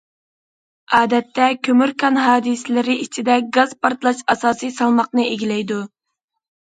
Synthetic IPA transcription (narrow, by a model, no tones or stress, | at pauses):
ɑːd̪ɛt̪ʰːɛkʲʰømyɾkʰɑnɦɑːd̪ɨsɪlɪɾɪʔit͡ʃʰid̪ɛɡɑz̥pɑɾt̪lˠɑʃɑsɑːsijsɑlˠmɑqnɨeɡʲilɛjd̪u